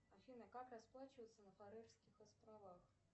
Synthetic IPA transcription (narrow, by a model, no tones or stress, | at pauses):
ɐfʲinəkakrɐsplˠat͡ɕɪvəjt̪sənəfɐɾɛrskʲɪxɐsp̪ɾavax